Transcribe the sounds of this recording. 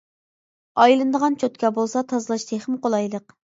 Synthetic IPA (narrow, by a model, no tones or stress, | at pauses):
ɑjlˠɨnd̪əʁɑnt͡ʃʰøt̪kʲɛbolˠsɑt̪ʰɑzlˠɑʃt̪ʰeχəmqolˠɑjlˠəq